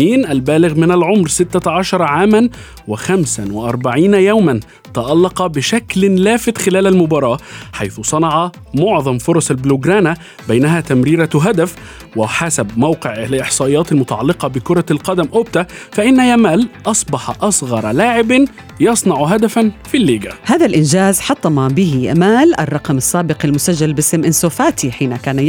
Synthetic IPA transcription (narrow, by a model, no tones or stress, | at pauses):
iːnʔalbæːlɪɣmɪnalʕomɾsɪt̪ːaʕɑʃɑɾˤɑʕaːman | wɪxæmsanwɪʔɑɾˤbaʕiːnajawman | t̪ɑʔɑlːɑqɑbɪʃæklɪlæːfɪt̪xɪlæːlalmʊbɑːɾˤɑːʔħajθʊsˤɑnɑʕɑ | moʕðˤɑmfʊɾˤɑsˤalblʊɡɾɑːna | bajnæɦæːt̪æmɾiːɾaɦad̪af | wɪħasabmawqɪʕlʔɪħsˤɑːʔɪjːaːt̪almʊt̪ɑʕɑ̰lːɪqɑbɪkʊɾˤɑlqɑd̪amʔʊb̚t̪afaʔɪnːajamaːlʔɑsˤbɑħɑʔɑsˤɣɑɾˤlaːʕɪban | jɑsˤnɑʕɦad̪afanfilːiːɡahaːðalʔɪnd͡ʒaːzħɑt̪ˤːɑmabɪɦimaːlʔa̰rˤːɑqɑmɑsːaːbɪqalmʊsaʒːalbɪsɪmʔɪnsoːfaːt̪iħiːnakaːna